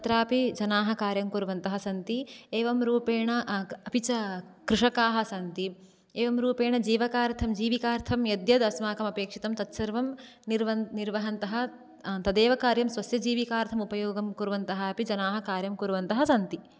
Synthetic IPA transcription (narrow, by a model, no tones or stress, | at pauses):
ɐt̪ɾaːpid͡ʒɐnaːɦɐ̆kaːɾjɐmkuɾʋɐnt̪ɐɦɐsɐnt̪ieːʋɐmɾuːpeːɳɐɐpit͡ʃɐkɾiʂɐkaːɦɐ̆sɐnt̪i | eːʋɐmɾuːpeːɳɐd͡ʒiːʋɐkaːɾt̪ʰɐmd͡ʒiːʋikaːɾt̪ʰɐmjɐd̪jɐd̪ɐsmaːkɐmɐpeːkʂit̪ɐmt̪ɐt̪sɐɾʋɐm | niɾʋɐnniɾʋɐɦɐnt̪ɐɦɐ̆ | t̪ɐd̪eːʋɐkaːɾjɐmsʋɐsjɐd͡ʒiːʋikaːɾt̪ʰɐmupɐjoːɡɐmkuɾʋɐnt̪ɐɦɐɐpid͡ʒɐnaːɦɐ̆kaːɾjɐmkuɾʋɐnt̪ɐɦɐsɐnt̪i